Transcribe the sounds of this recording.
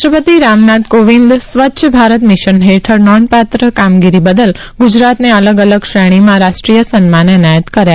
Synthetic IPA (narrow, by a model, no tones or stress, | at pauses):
ʃəpət̪iɾamnat̪koʋind̪sʋətːʃʰəbʱaɾət̪miʃənɦeʈʰəɾnɔnpat̪ɾəkamɡiɾibəd̪əl | ɡud͡ʒɾat̪neələɡələɡʃɾɛɽ̃imãɾaʃʈɾijəsənmãnɛnajət̪kəɾja